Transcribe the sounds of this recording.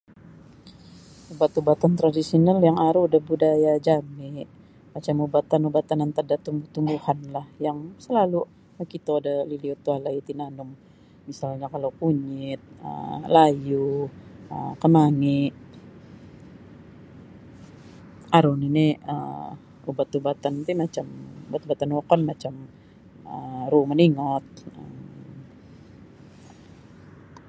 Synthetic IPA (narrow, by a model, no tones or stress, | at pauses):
ubat̪ubat̪ant̪ɾadisionaljaŋaɾudahbudajad͡ʒamɪʔ | mat͡ʃamubat̪anubat̪anant̪ardat̪umbuht̪umbuhanlahjaŋsəlalu | əkit̪adaliliot̪ualait̪inanʊm | misalɲakalokuɲɪt̪̚ə̰laju | əkənaŋɪʔ | aɾʊniniə̰ | ubat̪ubat̪ant̪imat͡ʃamubat̪ubat̪anokɔnmat͡ʃam | əɾuməniŋɔt̪̚əm